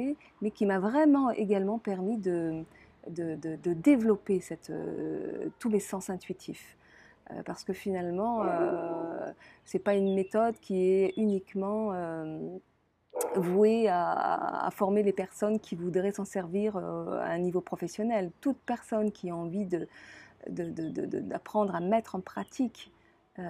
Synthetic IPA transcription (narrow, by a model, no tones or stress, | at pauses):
e | mɛkʲimavʁɛmɑ̃ḛɡalmɑ̃pɛʁmid̪ə | d̪əd̪əd̪əd̪evlɔpesɛt̪ø̰t̪umesɑ̃sɛ̃t̪ɥit̪ʰif | ø̰paʁsə̥kəfinalmɑ̃ø | sɛpaynmet̪ɔd̪kʲiɛynikmɑ̃ø | vwea̰a̰fɔʁmelepɛʁsɔnkʲʰivud̪ʁɛsɑ̃sɛʁviʁøa̰ɛ̃nivopχɔfɛsjɔnɛlt̪ut̪̚pɛʁsɔnkʲʰiɔ̃ɑ̃vid̪ə | d̪əd̪əd̪əd̪ə̰d̪apχɑ̃d̪ʁamɛt̪χɑ̃pχat̪ʰik | ø